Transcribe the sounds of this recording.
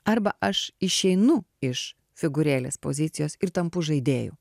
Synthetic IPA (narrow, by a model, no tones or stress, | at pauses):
ɐrbɐʔɐʃɪʃʲɛɪnʊɪʃ | fʲɪɡʊɾʲeːlʲḛːspo̰ːzʲɪt̪sʲɪjoːsɪɾt̪ɐmpʊʒɐɪd̪ʲeːjʊ̰